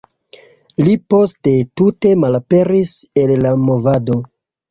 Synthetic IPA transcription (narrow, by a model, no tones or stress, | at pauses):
lipo̞ste̞tute̞malape̞ɾise̞lːamo̞vado̞